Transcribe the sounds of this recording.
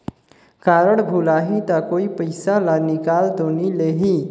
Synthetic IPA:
kaɾəɽbʱulaːɦit̪akoːipəɪsalanikaːld̪onileɦi

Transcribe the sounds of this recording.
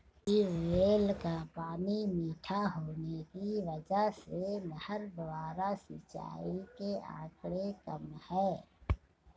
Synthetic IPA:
ɪʋeːlkapaːnimiːʈʰaɦoːnekiʋəd͡ʒəɦseməhəɾd̪ʋaːɾasɪ̰t͡ʃa̰ːikeã̰ːkɽekəmhɛː

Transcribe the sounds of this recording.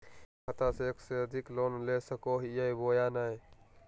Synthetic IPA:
kʰət̪aseekseəd̪ʱiklonlesəkoɦijəjboːjanəj

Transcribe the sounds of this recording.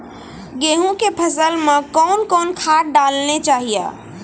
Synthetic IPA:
ɡeɦũkepʰəsəlmekɔnkɔnkʰaʈ̚ɖalnet͡ʃaɦija̰

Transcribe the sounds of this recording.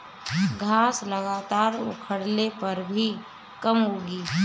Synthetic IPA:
ɡʱaːsləɡaːt̪aːɾʊ̰kʰəɽlepɐɾbʱi | kəmɦoːɡiː

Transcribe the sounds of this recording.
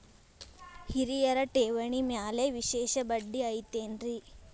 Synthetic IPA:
hiɾijɐɾɐʈeːʋɐɳimjaːleʋiʃeːʃɐbɐɖːiɐjt̪eːnɾi

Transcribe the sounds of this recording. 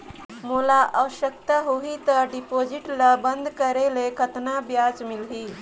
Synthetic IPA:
molaʔəwɕək̚t̪əɦoɦit̪əɖipod͡ʑiʈlabənd̪kəɾelekʰət̪nabjad͡zmilɦiː

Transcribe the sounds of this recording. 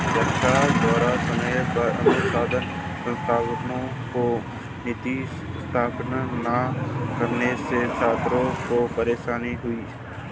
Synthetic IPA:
d͡ʒəkʃʰad̪ɔːɾasəməjpɐɾə̰nəsaːd̪ən | sə̃nst̪ʰaːʋnõ | ko | nɪt̪iːʃst̪ʰaːpnnakəɾnesesaːt̪ɾõkopəɾeːʃaːniɦʊiː

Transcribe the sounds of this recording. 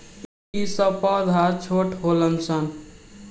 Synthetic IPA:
isʌpɔd̪ʱaɾt͡ʃʰoʈɦoləmsʌn

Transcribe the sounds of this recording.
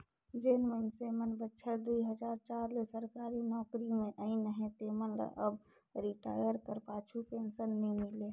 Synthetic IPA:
d͡ʒenmənsemənbətːʃʰəɾd̪uiɦəd͡ʒaːɾt͡ʃaːɾlesəɾkaːɾinɔːkɾimẽʔəĩnəɦẽt̪emənlə̰ʔəb | ɾiʈa̰ːjəɾkəɾpaːt͡ʃʰupeːnsənːimile

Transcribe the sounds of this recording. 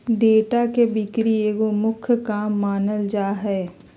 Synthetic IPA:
ɖeːʈakebɪkɾieːkomʊkʰjkaːmːaːnəld͡ʒaːɦɛː

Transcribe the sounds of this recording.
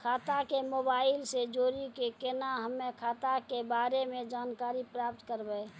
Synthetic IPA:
kʰaːt̪akemoːbaːɪlsed͡ʒoːɾikekenaɦəmẽkʰaːt̪akebaːɾemẽd͡ʒaːnkaːɾipɾaːp̚t̪kəɾbəe

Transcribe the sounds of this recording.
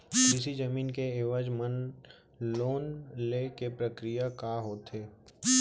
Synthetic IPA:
ɪsid͡ʒɐmiːnkeeːʋad͡ʒmən | loːnlekepɾəkɾijakaɦoːt̪ɦeː

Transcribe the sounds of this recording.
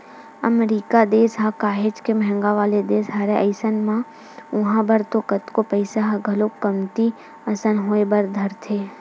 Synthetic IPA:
ə̰mɾiːkad̪eːsɦakaːɦed͡ʒkemɛɦə̃ŋɡaʋaːled̪eːsɦaːɾeʔəɪsənmã | ʊɦãbəɾt̪okət̪kopəɪsaɦaɡʱɐlokːəmt̪i | ɐsənɦoːebɐɾd̪ʱɐɾt̪ʰeː

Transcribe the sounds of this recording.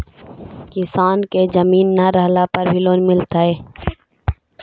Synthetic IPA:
kɪsaːnked͡ʒɐmiːnːaɾəɦlapɐɾbʱiloːnmɪlt̪aːɦeː

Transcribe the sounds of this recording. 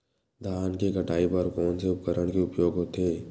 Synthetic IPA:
d̪ʱaːnkekəʈaːipəɾkɔːnseʊp̚kəɾəɽ̃keʊpjoːɡɦot̪eː

